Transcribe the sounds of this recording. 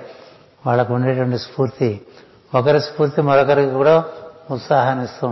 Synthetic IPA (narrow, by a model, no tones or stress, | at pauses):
ʋaːɭːɐkuɳɖeːʈʋɐɳʈispuːɾt̪i | ɔkɐɾispuːɾt̪imɐɾɔkɐɾikikuːɽaut̪saːɦɐnist̪u